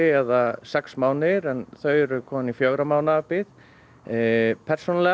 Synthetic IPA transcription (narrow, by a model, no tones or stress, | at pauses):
ɪɛðasɛksmaːwnɪɾɛnθœɥɛɾʏkʰɔːmanifjoɣɾamaːwnapɪð | pʰɛɾ̥sɔnalɛ